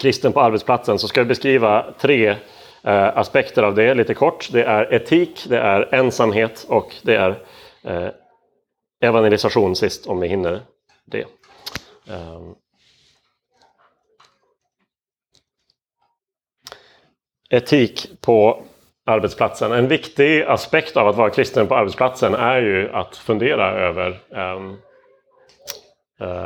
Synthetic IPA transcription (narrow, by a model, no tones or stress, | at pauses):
kʰɾɪst̪ənpɔaɾbɛt̪spʰlat̪sənsɔskad̪ɪbɛskɾiːvat̪ʰɾeː | aspɛkt̪əɾavd̪ɛliːt̪əkʰɔʈːd̪ɛʔæɾɛt̪ʰiːkd̪ɛʔæɾɛnsamɦeːt̪ɔkd̪ɛæɾ | ɛvanjɛlɪsaɧuːnsɪst̪ʰɔmvɪhɪnːə | ɖɛ̰ | ɛt̪ʰiːkpʰɔ | aɾbɛt̪spʰlat̪sənɛnvɪkt̪ɪɡaspɛkt̪avat̪vɑːɾakʰɾɪst̪ənpʰɔaɾbɛt̪spʰlat̪sənæɾjɵa̰t̪fɵnd̪eːɾaøːvəɾ